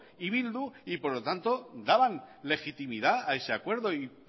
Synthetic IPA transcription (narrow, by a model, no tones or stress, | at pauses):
iβild̪uipo̞ɾlo̞t̪ant̪o̞d̪aβanle̞xit̪imiðaae̞se̞akwe̞ɾðo̞ip